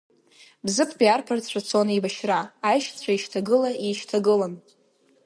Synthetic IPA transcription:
bzɨpʰbiarpʰart͡sʷʰat͡sʰo̞nibaʃraːjʃt͡sʷʰaiʃtʰaɡɨlaiʃtʰaɡɨlan

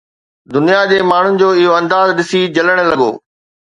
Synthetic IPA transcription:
d̪ʊnijad͡ʑeːmaːɳ̤ʊnɪ̆d͡ʑoːɪɦoɐ̃nd̪aːzɗɪsid͡ʑɐləɽ̃ə̆lɐɠo̰ː

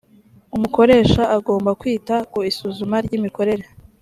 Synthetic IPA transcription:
umuko̞ɾe̞ːʃaʔaɡo̞ːmbakwiːtakuisuːzumaɾɟimiko̞ɾe̞ɾe

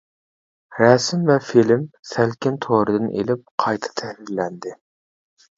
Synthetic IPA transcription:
ɾɛsɪmvɛfilɪmsælkʲɪnt̪ʰoɾɨd̪ɨnʔḛlɪp̚qʰɑjt̪ʰɑ̥t̪ʰɛhɾiɾlɛnd̪ɪ

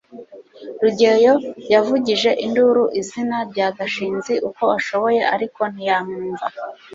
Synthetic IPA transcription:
ɾuɟe̞jo̞javuɟiʒe̞ʔinduɾuʔizinaɾɟaːɡaʃiːnziʔuko̞aʃo̞βo̞je̞ʔaɾiko̞nijamuːɱva

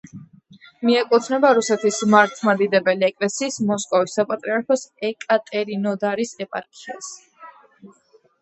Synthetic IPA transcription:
miɛkʼut̪ʰnɛbaɾusɛt̪ʰismaɾt̪ʰmad̪id̪ɛbɛliɛkʼlɛsiːsmɔskʼɔvisːapʼat̪ʼɾiaɾpʰɔsɛkʼat̪ʼɛɾinɔd̪aɾisɛpʼa̰ɾkʰʼias

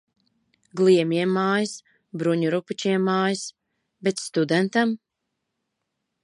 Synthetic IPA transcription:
ɡlˠiɛmiɛmːaːjis | bɾuɲuɾuput͡ʃiɛmːaːjis | bet̪st̪ud̪ɛnt̪am

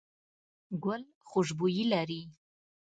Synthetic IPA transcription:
ɡʷʊl | χʷʊʒbujilaɾi

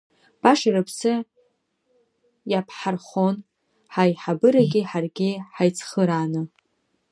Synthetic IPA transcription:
b̥aʂaɾɨpʰsɨ | japʰħarχon | ħajħabɨɾaɡʲɪħarɡʲɪħajt͡sʰχəɾanɨ

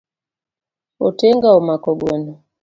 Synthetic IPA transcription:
oteŋɡaomakɔɡwenɔ

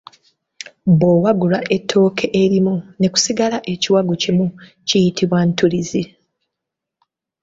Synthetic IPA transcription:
bowaɡulaʔe̞tʰːo̞ːkʰe̞ʔeɾimune̞ku̥siɡalaʔe̞ciwaɡucimu | cijitʰiβwantulizi

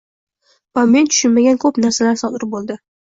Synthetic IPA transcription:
vame̞nt̪ʰʊ̥ʃʊnmaɡʲankʰɵpnaɾsalaɾsɒd̪ɪɾbolˠd̪ɪ

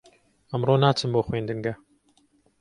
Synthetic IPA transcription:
əmroːnaːt͡sʰɨmboːχweːnd̪ɨŋɡɐ

